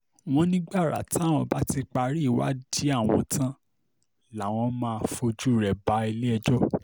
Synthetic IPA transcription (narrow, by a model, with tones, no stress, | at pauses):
w̃ɔ̃˧˦nĩ˦ɡ͡ba˦˨ɾa̰˨ti˦˨w̃ɔ̃˧ba˦ti˧k͡pa˧ɾi˦˨wa̰˨˦di˨˦a˦˨w̃ɔ̰̃˧tʰã˦ | la˨w̃ɔ̃˧mãː˦˧fo˧d͡ʒu˦˨ɾɛ˨ba˨˦i˧le˦ɛ˧d͡ʒɔ˦